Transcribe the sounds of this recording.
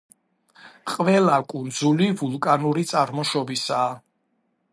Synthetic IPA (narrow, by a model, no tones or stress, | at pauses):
qʼvɛlakʼund̪zulivulˠkʼanuɾit̪sʼaɾmɔʃɔbisaː